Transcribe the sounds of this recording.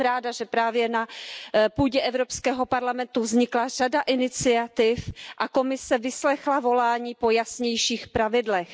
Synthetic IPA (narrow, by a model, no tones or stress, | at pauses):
ɾaːdaʒɛpɾaːvjɛnapuːɟɛʔɛvɾopskɛːɦo̞paɾlamɛnt̪uvzɲɪklar̝adaʔɪnɪt͡sɪat̪ɪfʔako̞mɪsɛvɪslɛxlavo̞laːɲiːpo̞jasɲɛjʃiːxpɾavɪdlɛx